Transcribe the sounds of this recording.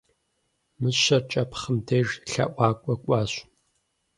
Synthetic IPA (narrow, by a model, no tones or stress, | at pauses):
mɨɕɐrt͡ʃʼɐpʰχəmdʰeːʒɬɐ̰ʔʷɑːkʷʼɔkʷʼɑːɕ